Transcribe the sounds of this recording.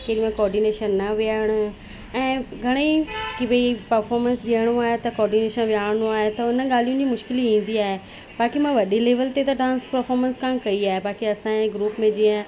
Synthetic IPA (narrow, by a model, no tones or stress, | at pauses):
keɾimẽkɔːɾɖineːʃənːɐʋiaːɪɽ̃ʊ̆ | ɛ̃ːɡʱɐɽ̃eikibipɐɾfɔːɾmənsɗiəɽ̃oaːɦet̪ɐkɔːɾɖineːʃənʋijaːɽ̃ɽ̃oaːɦet̪ɐʊnə̆ɠaːl̤ijũd͡ʑimʊʃkɪliĩːn̆d̪iaːɦe | baːkimãʋɐɗileːʋəlt̪et̪ɐɖãːnspɐɾfɔːɾmənskãːkɐiaːɦebaːkiɐsãẽɡɾuːpmẽd͡ʑiːə̃